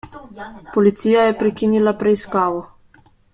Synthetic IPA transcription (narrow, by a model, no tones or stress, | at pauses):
pɔlit̪siːjajɛpɾɛkinilapɾɛiskaːʋɔ